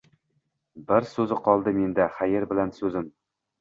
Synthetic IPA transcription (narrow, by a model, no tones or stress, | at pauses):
bɪɾsɵzɪqʰɒlˠd̪ɪme̞nd̪aχajeɾbɪlansɵzɪm